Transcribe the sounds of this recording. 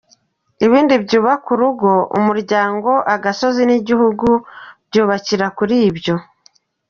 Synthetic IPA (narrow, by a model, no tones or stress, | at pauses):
iβiːndibɟuːβakuɾuɡo̞ʔṵmuɾɟaːŋɡo̞ʔaɡaso̞ziniɟihuɡubɟuːβaciɾakuɾiːbjo̞